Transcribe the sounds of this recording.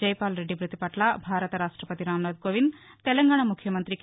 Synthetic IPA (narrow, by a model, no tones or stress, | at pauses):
ɐjpaːlɾe̞ɖːibʱɾut̪ipɐʈlɐbʱaːɾɐt̪ɐɾaːʂʈɾɐpɐt̪iɾaːmnɐd̪koːʋint̪ɛlɐŋɡaːɳɐmukʰjɐmɐnt̪ɾik